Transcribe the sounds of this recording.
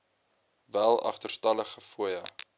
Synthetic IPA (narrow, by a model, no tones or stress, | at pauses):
vælˠɐ̰χtərstɐləχəfuəjɐ